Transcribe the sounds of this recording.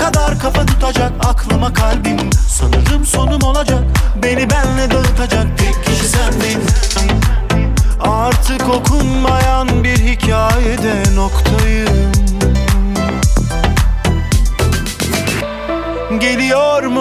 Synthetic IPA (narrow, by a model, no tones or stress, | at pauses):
kʰad̪aɾkʰafat̪ʰut̪ʰad͡ʒakakʰlˠamakʰalʲbimsanɯɾɯmso̞numo̞lˠad͡ʒak̚be̞nibænlɛd̪ɛɯt̪ʰad͡ʒak̚b̪iɾcʰiʃisænd̪i | aɾt̪ʰɯko̞kʰunmajanbiɾhicʰaːjɛd̪ɛnokt̪ʰajɯm | ɟe̞lʲijoɾm